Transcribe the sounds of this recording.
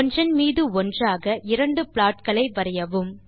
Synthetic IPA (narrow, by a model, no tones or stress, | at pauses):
ɔnd͡ʒrɐnmiːðɯɔndraːɣɐʔɪɾɐɳɖɯpɪɭaːʈ̚kɐɭɐɪʋɐɾɐjɐʋɯm